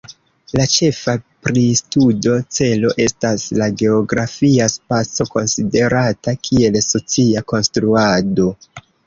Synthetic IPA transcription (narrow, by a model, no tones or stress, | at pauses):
lat͡ʃe̞fapɾistudo̞t͡se̞lo̞ʔe̞staslaɡe̞o̞ɡɾafiaspat͡so̞ko̞nside̞ɾatakʰie̞lso̞t͡siako̞nstɾuado̞